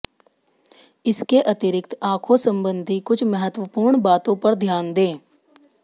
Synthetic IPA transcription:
ɪskeʔɐt̪ɪɾɪk̚t̪aːkʰosə̃mbə̃nd̪ʱikʊt͡ʃʰmɐɦət̪wəpuːɾɳbaːt̪õpɐɾd̪ʱjaːnd̪ẽː

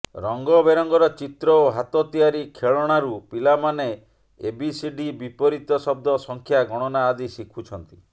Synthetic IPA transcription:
ɾɔŋɡɔbeɾɔŋɡɔɾɔt͡ʃit̪ɾɔoɦat̪ɔt̪iaɾikʰeɭɔɽ̃aɾupilamane | ḛbisiɖibipɔɾit̪ɔsɔb̚d̪ɔsɔŋkʰjaɡɔɽ̃ɔnaːd̪isikʰut͡ʃʰɔnt̪i̥

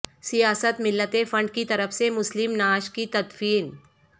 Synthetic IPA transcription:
sijaːsət̪mɪlːət̪efɐ̃ɳɖ̚kit̪ɐɾəfsemʊslɪmnaːʃkit̪ɐd̪fiːn

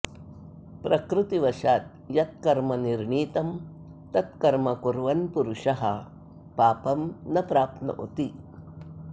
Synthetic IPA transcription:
pɾɐkɾut̪iʋɐʃaːt̪̚ | jɐt̪̚kɐɾmɐniɾɳiːt̪ɐm | t̪ɐt̪̚kɐɾmɐkuɾʋɐnpuɾuʂɐɦɐ̰ | paːpɐmnɐpɾaːp̪̚nɐ̰ʔot̪i

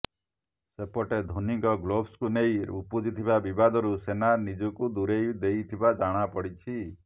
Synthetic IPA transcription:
sepɔʈed̪ʱonikɔɡlobskunejɾupud͡ʒit̪ʰibabibad̪ɔɾusenanid͡ʒɔkud̪uɾejd̪ejt̪ʰibad͡ʒaɽ̃apɔɽit͡ʃʰi

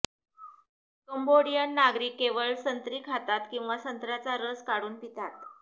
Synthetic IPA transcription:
kəmboɽijənːaɡɾiːkːeʋəɭsənt̪ɾiːkʰɦat̪at̪kĩw̃ʋasənt̪ɾat͡saɾəskaɽuːnpit̪at̪

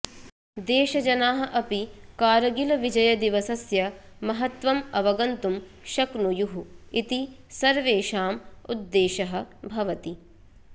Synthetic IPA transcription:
d̪eːʃɐd͡ʒɐnaːɦɐ̆ʔɐpikaːɾɐɡilɐʋid͡ʒɐjɐd̪iʋɐsɐsjɐ | mɐɦɐt̪ʋɐmɐʋɐɡɐnt̪um | ʃɐknujuɦuit̪i | sɐɾʋeːʃaːmṵd̪ːeːʃɐɦɐ̆bʱɐʋɐt̪i

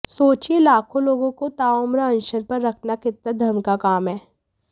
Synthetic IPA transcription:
soːt͡ʃielaːkʰõloːɡõkot̪aːomɾaə̃nʃəɾpɐɾːɐkʰnakɪt̪nəd̪ʱɐmkakaːmɦɛː

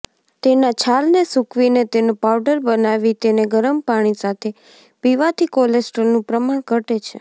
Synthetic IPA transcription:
t̪enat͡ʃʰalnesukʰʋinet̪enopauɖəɾbənaʋit̪eneɡəɾəmpaɽ̃isat̪ʰe | piʋat̪ʰikɔlesʈəɾnũpɾəmaɳ̃kəʈet͡ʃʰḛ

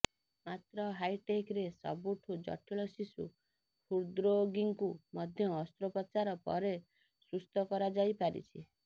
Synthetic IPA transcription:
mat̪ɾɔɦajʈekɾesɔ̰buʈʰud͡ʒɔ̰ʈʰiɭɔsisṵ | pʰuɾd̪ɾoɡiŋkumɔd̪ʱjɔːst̪ɾɔpɔt͡ʃaɾɔpɔ̰ɾe | sust̪ɔkɔɾad͡ʒajpaɾḭt͡ʃʰi

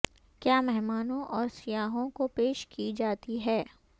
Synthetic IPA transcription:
kjaːmɛɦmaːnõʔɔːɾsijaːɦõkopeːʃkid͡ʒaːt̪iɦɛː

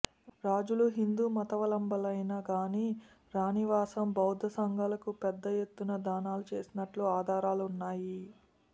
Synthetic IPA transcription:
ɾaːd͡ʒuluɦind̪uːmɐt̪ɐʋɐlɐmbɐlɐjnɐɡaːni | ɾaːniʋaːsɐmbɐwd̪ʱɐsɐŋɡʱɐlɐkupɛd̪ːɐje̞t̪ːunɐd̪aːnaːlut͡ʃe̞̰ːsinɐʈluaːd̪ʱaːɾaːlunːaːji

